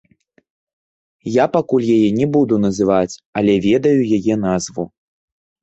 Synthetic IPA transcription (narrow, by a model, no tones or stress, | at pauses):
japakulʲjajɛnʲɛbud̪unɐzɨvat͡sʲɐlʲɛvʲɛd̪ɐjujajɛnazvṵ